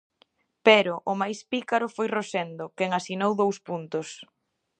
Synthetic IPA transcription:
pɛɾʊʔʊmajspikaɾʊfojrosɛnd̪okɛŋasinowðowspunt̪ʊs

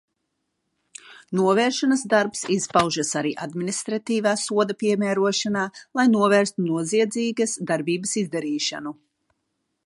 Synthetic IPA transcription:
nuɔvɛːɾʃanasd̪aɾpsispawʒasaɾḭːʔa̰d̪minist̪ɾat̪iːvaːsuɔd̪apiɛmæːɾuɔʃanaːlˠajnuɔvɛːɾst̪unuɔziɛd̪ziːɡasd̪aɾbiːbəsizd̪aɾiːʃa̰nu

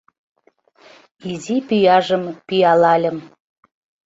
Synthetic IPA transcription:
izipyjɑʒəmpyjɑlɑlʲə̆m

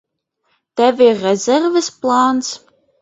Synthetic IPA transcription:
tɐveːʁɛzɛrvɨsplˠaːnt͡sʰ

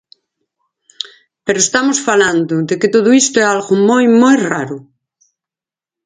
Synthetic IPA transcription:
peɾoest̪amosfaland̪ʊd̪eket̪oðoist̪oɛalɣomojmojraɾʊ

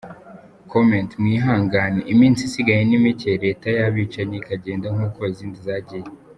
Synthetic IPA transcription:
komẽntmŋiːɦaːŋɡaːneʔimiːnsisiɡaɲenimiceɾe̞ːtajaβit͡ʃaɲeikaɟe̞ːndaŋ̥uːko̞iziːndizaːɟije

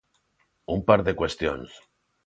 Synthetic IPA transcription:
umpaɾðekwe̞st̪jo̰ns

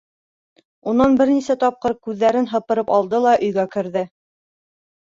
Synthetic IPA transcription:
unːɑnbɘɾnisæt̪ɒp̚qɤɾkʉðːæɾɘnɦɤ̆pɤ̆ɾɤpɑlˠd̪ɤlˠɑʔɵ̆jɡækɘ̆ɾðɘ

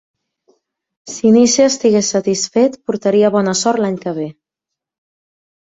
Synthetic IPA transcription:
siniseəst̪iɣesət̪isfet̪puɾt̪əɾiəβɔnəsɔɾt̪laɲkəβ̞e

